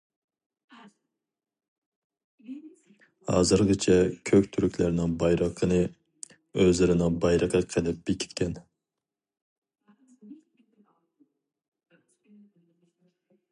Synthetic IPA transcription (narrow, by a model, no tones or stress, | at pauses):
hɑ̰ːzɨɾʁət͡ʃʰɛkʲʰøkʲt̪ʰyɾykʲlæɾnɪŋbɑjɾəqʰənɨ | øzlɪɾɪnɪŋbɑjɾəqʰəqʰɛd̪ɛp̚b̥ɪkʲʰi̥t̪kʲʰɛn